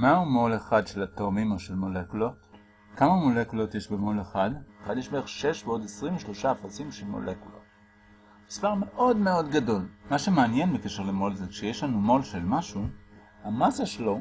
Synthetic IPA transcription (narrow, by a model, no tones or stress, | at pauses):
maumo̞leχadʃelatomimoʃelmo̞lekulot | kamamolekulo̞tjeʃbemo̞leχadeχadjeʃmeeχʃeʃveo̞desʁimveʃlo̞ʃaːfat͡simʃelmo̰lekulo̰t | mispaʁme̞ʔo̞dmeo̞dɡado̞lmaʃemeanjenbekeʃeʁlemo̞lzekʃejeʃlanumo̞lʃe̞lmaʃu | hamasaʃelo̞